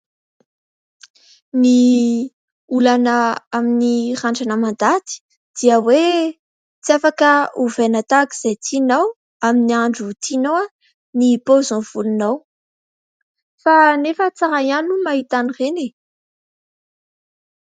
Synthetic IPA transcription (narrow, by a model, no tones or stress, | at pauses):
ni | ulanəaminiraɳʈ͡ʂanəmand̪at̪i̥ | d̪̥iəwe | t͡siafakəuvenat̪akiz̥ajt̪ʰinaw | aminiaɳɖ͡ʐut̪ʰinowa | nipozõv̥ulunaw | fanefət͡saɾajanumaɦit̪anirene